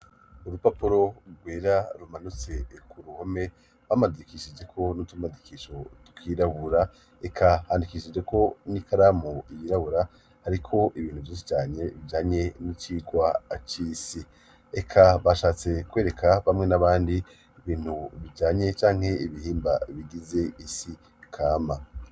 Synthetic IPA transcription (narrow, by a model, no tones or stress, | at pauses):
uɾupapuɾo̞ɡweːɾaɾumanut͡se̞kʰuɾuhome̞ | βamadiikiʃid͡ʒe̞kʰo̞nutumadikiʃo̞tu̥kʰiːɾaβuɾa | ekʰahaːndikiːʃid͡ʒe̞ko̞niːkʰaɾamoijiɾaβuɾa | haɾikʰo̞ʔiβiːnhuvjiːs̬i̥t͡ʃaːɲe̞βiɟaːɲe̞nit͡ʃiːɡwat͡ʃiːsi | ekʰaβaʃaːt͡se̞kwe̞ːɾe̞kʰaβamŋe̞naβaːndi | iβiːn̥huβiɟaːɲe̞t͡ʃaːŋ̥he̞iβihiːmbaβiɡize̞isi | kʰaːma